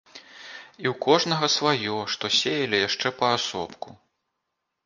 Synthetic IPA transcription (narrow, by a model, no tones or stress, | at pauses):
iwkɔʐnɐɣɐsvajɔʂt̪ɔsʲejɐlʲijaʂt͡ʂɛpɐasɔ̰pku